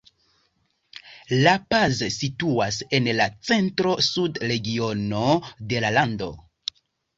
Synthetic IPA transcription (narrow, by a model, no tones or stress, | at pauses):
lapazsituase̞nlat͡se̞ntɾo̞sudɾe̞ɡio̞no̞de̞lalando̞̰